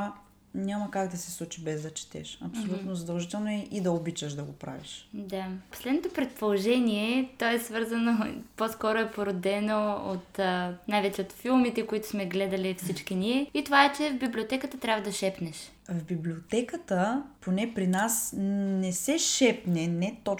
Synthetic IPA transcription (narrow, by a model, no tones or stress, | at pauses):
a | nʲamɐkaɡd̪ɐsɛslˠut͡ʃibɛzd̪ɐt͡ʃɛ̥t̪ɛ̰ʃɐpsolʲut̪nozɐd̪ɐlˠʒit̪ɛlˠnoɛʔid̪ɐobit͡ʃəʃd̪ɐɡopɾa̰viʃd̪apo̥slɛd̪not̪opɾɛt̪̚polˠoʒɛniɛt̪ɔɛsvɤɾzɐnoposkɔɾoɛpoɾod̪ɛnoot̪ənajvɛt͡ʃɛot̪filˠmit̪ɛkoit̪ʊ̥smɛɡlɛd̪ɐlʲifsit͡ʃk̟iniɛit̪ovaɛt͡ʃɛvbiblʲiot̪ɛkət̪ət̪ɾʲavəd̪ɐʃɛpnɛʃ | vbiblʲiot̪ɛkət̪əponɛpɾinasnɛsɛʃɛpnɛnɛt̪o